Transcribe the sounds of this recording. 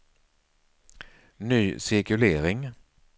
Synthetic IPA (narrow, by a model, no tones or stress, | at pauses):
nyːsɪɾkɵleːɾɪŋ